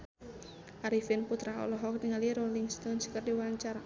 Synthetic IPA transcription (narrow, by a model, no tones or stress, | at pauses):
ʔaɾifɪnput̪ɾaɦɔ̰lɔɦɔkniŋaliɾoliŋst̪ɔnskərdiwaɲt͡ʃaɾa